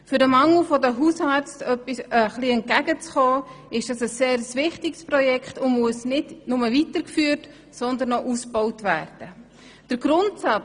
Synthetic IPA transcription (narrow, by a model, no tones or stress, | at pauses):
fʏɾdəmɑŋl̩fɔdəɦusɑɾt͡stœpːisəχliɛnt̚kæɡət͡sχɔːɪʃd̥ɑsəsːeːɾəsvɪχtɪɡsprɔjɛkχtʊnmuəsnɪdnʊməvitəɾkfyːɾt | sɔnd̪ənːɔʔusb̥ɔwtværd̥ə | d̥əɾɡɾʊntsɑt͡s